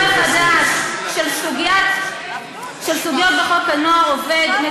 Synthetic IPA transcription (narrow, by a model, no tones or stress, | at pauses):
χad̪aʃʃelsuɡa | ʃelsuɡjot̪̚beχokanoaoved̪me